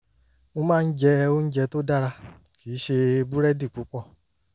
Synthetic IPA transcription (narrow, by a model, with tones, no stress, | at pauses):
o˧mãː˦˧n̩˦d͡ʒɛ˧˦ɛ˧o˦n̩˦d͡ʒɛ˧to˦da˦ɾa˧ | ki˨˦ʃe˧bu˦ɾɛ˦di˦˨k͡pu˨˦k͡pɔ˦˨